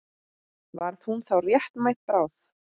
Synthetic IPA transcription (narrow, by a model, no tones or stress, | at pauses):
vaɾθhunθawrjɛht̪majht̪̚pɾaːwθ